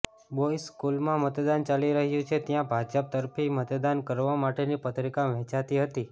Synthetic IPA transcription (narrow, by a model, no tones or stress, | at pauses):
boiskulmãmət̪d̪ant͡ʃaliɾəɦjũt͡ʃʰet̪jãbʱad͡ʒəp̚t̪əɾfʰimət̪d̪ankəɾʋamaʈenipət̪ɾikaʋɛ̃t͡ʃat̪iɦət̪i